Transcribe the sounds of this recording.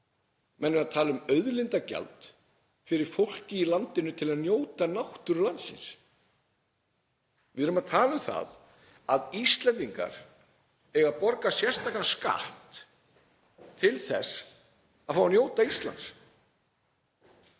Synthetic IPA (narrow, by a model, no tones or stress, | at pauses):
mʔɛnːʏmaðt̪ʰaːlʏmœɥðlɪnt̪aca̰lt̪ | fɪɾɪɾ̥fowl̥cɪilant̪ɪnʏt̪ʰɪlaðnjoːwt̪anawht̪ʏɾlant̪sɪ̰ns | vɪðɾʏmaðt̪ʰaːlʏmθa̰ð | aðist̪lɛnt̪iŋka̰ɾ̥ | ɛɣapɔɾkasjɛ̥st̪aklaska̰ht̪ | t̪ʰɪlθɛ̰s | aðfawanjoːwt̪aist̪la̰ns